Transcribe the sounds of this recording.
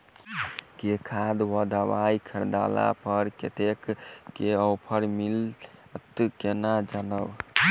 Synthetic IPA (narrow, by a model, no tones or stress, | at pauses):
kekʰad̪wəd̪abajikʰəɾd̪a̰la̰pəɾkḛt̪ekːeəwpʰəɾmilt̪kenad͡ʒanəb